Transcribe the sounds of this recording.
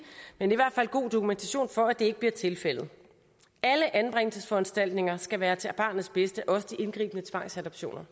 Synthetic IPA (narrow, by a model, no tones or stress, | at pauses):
meniʋæɐ̰d̥fæl̰ɡ̥o̝̰ːd̥okʰument͡sʰæɕo̝̰ːnfɒ̽æd̥e̝e̝ɡ̥əb̥liɐt͡sʰe̝lfel̰ð̞̩ˠ | æləʔænb̥ʁeŋ̰lsəsfɒ̽ænsd̥æl̰d̥ne̝ŋɐsɡ̥æʋæːɐt͡sʰe̝b̥ɑ̈ːnð̩ˠsb̥esd̥əʔɒ̽səd̥iʔe̝nɡ̥ʁḭːb̥ənət͡sʰʋɑ̈ŋ̰sædɒb̥ɕo̝̰ːnʔɐ